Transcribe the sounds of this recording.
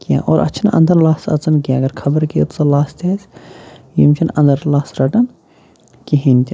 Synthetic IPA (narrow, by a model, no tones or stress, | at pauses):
kija̰ːʔoːɾʔɐ̰t͡ʃʰɐnɐ̰̃nd̪ɐɾlaːsɐ̰t͡sɐnkiaɐɡɐɾkʰɐbəɾkit̪t͡sɐlaːst̪ʰʲezjimt͡ʃʰinɐnd̪əɾlaːsɾɐʈɐn | kiɦint̪ʲi